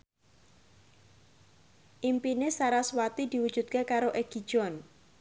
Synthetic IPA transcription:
ʔimpinesaɾaswat̪id̪̥iwud̥ʒ̥ṳt̪̚kekaɾoʔeɡ̥i̤̥ʒ̥ɔn

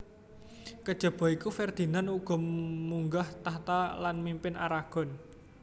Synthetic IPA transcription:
kəd̥ʒ̥ə̤b̥ɔ̤ikufɛrd̪̥i̤nanuɡ̥ɔ̤muŋɡaht̪aht̪alanmimpɪna̰ɾaɡ̥ɔ̤n

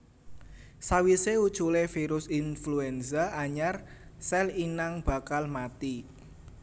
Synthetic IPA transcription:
sawiseud̥t͡ʃulefiɾʊsinfluɛnsaaɲarsɛlinaŋb̥a̤kalmat̪i

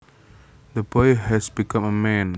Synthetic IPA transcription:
d̪əbɔjhɛsbikãməmɛ̃n

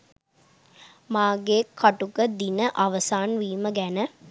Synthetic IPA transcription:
maːɡeːkɐʈukəd̪inəʔɐʋɐsaːnʋiːməɡænə

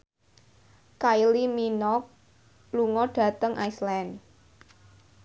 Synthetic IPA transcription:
kailiminɔk̚ | luŋɔɖ̥ä̤t̪əŋʔa̰islan

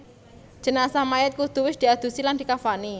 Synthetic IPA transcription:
d͡ʒ̥ə̤nasamaɪt̪̚kud̪̥ṳwɪsd̪̥i̤ad̪̥ṳsiland̪̥i̤kafani

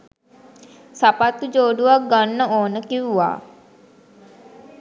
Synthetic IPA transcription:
sapat̪ːud͡ʒoːɖuʋak̚ɡanːəoːnəkiwuʋa̰ː

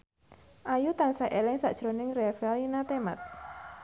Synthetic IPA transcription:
ʔajut̪ansaʔelɛŋsa̰ʔʒ̥ɾonɪŋrɛfɛlinat̪ema̰t̪̚

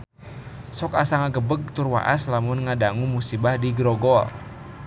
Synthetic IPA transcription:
sɔkasaŋaɡəbəɡ̚t̪urwa̰ʔa̰slamʊnŋadaŋumusibahdiɡɾɔɡɔ̰

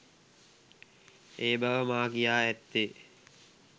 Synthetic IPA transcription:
eːbaʋəmaːkijaːæt̪ːe

